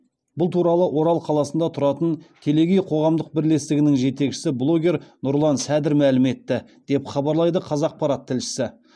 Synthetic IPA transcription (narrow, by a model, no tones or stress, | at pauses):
bʊlˠt̪ʰuɾɑlˠəʔwʔo̞ɾɑlˠqʰɑlˠɑsənd̪ɑt̪ʰʊɾɑt̪ənt̪ʰe̞le̞ɡʲejqʰo̞ʁɑmd̪əq̚bɪɾle̞st̪ɪɡʲɪnɪŋʒe̞t̪e̞kʃɪ̥sɪblˠo̞ɡʲe̞ɾnʊɾlˠɑnsæd̪ɪɾmælɪme̞t̪ːɪd̪̥e̞pχɑbɑɾlˠɑjd̪əqʰɑzɑːq̚pɑɾɑt̪ʰːɪlʃɪ̥sɪ